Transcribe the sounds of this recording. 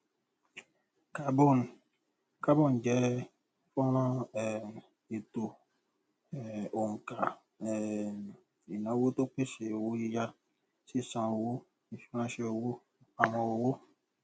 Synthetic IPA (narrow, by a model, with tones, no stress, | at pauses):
ka˨bo˦˨n˨ | ka˦bo˦˨n˨d͡ʒɛ˨˦ | fɔ˦ɾɔ̃˦ɛ˨ | e˨to˨ | o˨ŋ˨ka˨ | ɛ˨ | i˨nã˨˦wo˦to˦k͡pe˦se˨wo˦i˦ja˦ | si˦˨sã˨o˨wo˦ | i˨fi˦ɾã˦ʃe˦o˨wo˦ | a˨mɔ̃˨o˨wo˦